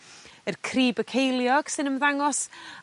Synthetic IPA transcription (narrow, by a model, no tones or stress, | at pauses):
ərkʰriːbəkʰejlˠjɔɡ̥sɨnəmðaŋɔs